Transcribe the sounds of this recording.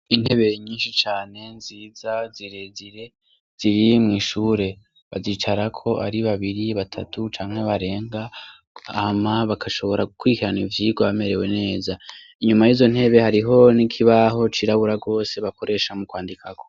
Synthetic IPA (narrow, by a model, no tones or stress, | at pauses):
in̥he̞βe̞ɲiːnʃit͡ʃaːne̞nziːzaziɾe̞ziɾe̞ | z̥iɾimŋiːʃuːɾe̞ | βa̰ziːt͡ʃaɾakʰo̞ʔa̰ɾiβaβiɾiβatʰa̰tʰut͡ʃaːŋhe̞βaɾe̞ːŋɡaː | maβakʰaʃo̞βo̞ɾaɡukwiikiɾanivjiːɡwaβame̞ɾe̞we̞ne̞ːza | iɲumajiːzo̞n̥he̞βe̞haɾiɦo̞nikʰiβaɦo̞t͡ʃiɾaβuɾaɡo̞ːse̞βako̞ɾʔe̞ːʃamukwaːndikʰako̥